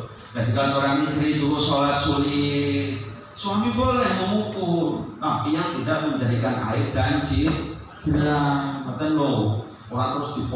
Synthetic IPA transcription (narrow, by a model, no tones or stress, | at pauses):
kad̪ikasoɾaŋmisɾisuɾusolat̪̚suli | solibɔllɛməukut̪apijaŋt̪idaʔməɲd͡ʒadikana̰ɪp̚d̥ant͡ʃi̥ | namət̪ənlo | olat̪əɾʊsd̪̥i̤p